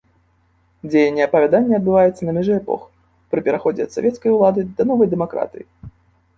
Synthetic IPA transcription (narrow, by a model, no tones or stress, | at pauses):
d͡zʲejɐnʲːɛɐpɐvʲad̪anʲːɛɐd̪̚bɨvajɛt̪sːɐnɐmʲɛʐɛɛpɔ̰x | pɾɨpʲɛɾaxɔd͡zʲɛɐt̪savʲɛt̪skɐjulˠad̪ɨd̪ɐnɔvɐjd̪ɛmakɾa̰t̪ɨji